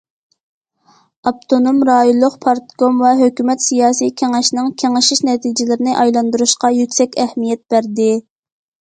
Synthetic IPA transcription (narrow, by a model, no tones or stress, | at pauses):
ɑp̚t̪ʰonomɾɑːjolˠːʊqpʰɑɾt̪komvɛɦøkʲymɛt̪sijɑːsijkʲʰeŋɪʃnɪŋkʲʰeŋɪʃiʃnɛt̪ʰid͡ʒɪlɪɾɪnɪʔɑjlˠɑnd̪uɾuʃqɑjykʲsɛkʲɛhmijɛt̪̚b̥æɾd̪ɪ